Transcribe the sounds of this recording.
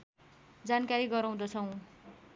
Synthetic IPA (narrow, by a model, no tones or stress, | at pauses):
d͡zankaɾiɡʌɾaw̃d̪ʌt͡sʰʌw̃